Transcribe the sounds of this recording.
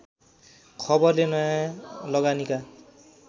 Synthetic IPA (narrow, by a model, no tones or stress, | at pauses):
kʰʌbʌrlenʌjãlʌɡanika